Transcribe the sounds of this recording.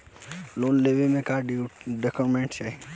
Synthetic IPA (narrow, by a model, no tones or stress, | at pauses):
loːnleʋemẽkaɖiɖəkomẽɳʈt͡ʃʰe